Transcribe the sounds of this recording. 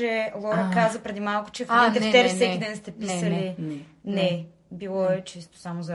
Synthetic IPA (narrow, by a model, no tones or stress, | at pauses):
ɛlˠɔɾəkazəpɾɛd̪imalˠkʊ̥t͡ʃɛfiit̪ɛft̪ɛɾfsɛid̪ɛnst̪ɛpisəlinɛ | bilˠɔɛt͡ʃist̪o̥samozɐ